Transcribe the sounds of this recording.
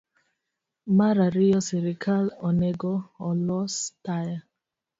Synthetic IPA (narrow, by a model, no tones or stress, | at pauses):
maɾaɾijɔsiɾikʰalɔnɛɡɔɔlɔstaja